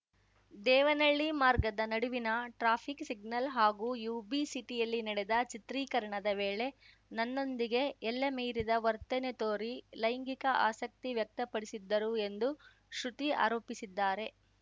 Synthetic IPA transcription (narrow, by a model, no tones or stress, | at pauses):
d̪ɛːʋɐnɐɭːimaːɾɡɐd̪ɐnɐɽuʋinɐʈɾaːpʰiksiɡ̚nɐlɦaːɡuːjuːbisiʈijɐlːinɐɽed̪ɐt͡ʃit̪ɾiːkɐɾɐɳɐd̪ɐʋeːɭe̞ | nɐnːo̞nd̪iɡe̞ɛlːɐmeːɾid̪ɐʋɐɾt̪ɛnet̪oːɾilɐjŋɡikɐʔaːsɐk̚t̪iʋjɐk̚t̪ɐpɐɽisid̪ːɐɾue̞nd̪u | ʃɾut̪ia̰ːɾo̞ːpisid̪ːaːɾe̞